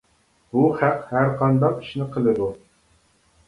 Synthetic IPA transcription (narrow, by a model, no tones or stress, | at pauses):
buχæqhæɾqʰɑnd̪ɑqi̥ʃnɪqʰəlˠɨd̪u